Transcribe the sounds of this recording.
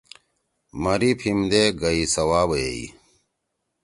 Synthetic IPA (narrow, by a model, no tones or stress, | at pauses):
mɐɾipʰimd̪eɡɐisɐwaːbjeḭ